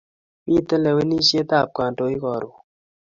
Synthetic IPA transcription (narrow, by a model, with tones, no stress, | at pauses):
mi˦˨te˦le˨we˦ni˦se˦t̪a˦˨p̚ka˨nto˦i˦kɔ˨ɾu˨